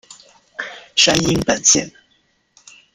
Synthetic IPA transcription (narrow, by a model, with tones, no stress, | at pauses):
ʂa˧˥ni˧˥ŋpə˨˩nɕjɛ̰˥˩n